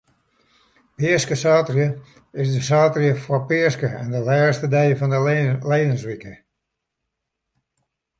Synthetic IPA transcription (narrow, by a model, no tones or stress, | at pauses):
pɪəskəsaːtrjə | ɪsdəsaːtrjəfwɔpɪərskəɛndəlɛːstədɛjəfɔnəlejdənsʋikə